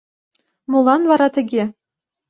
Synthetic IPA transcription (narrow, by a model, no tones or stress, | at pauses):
mulˠɑnvɑɾɑt̪ɘ̆ɡʲe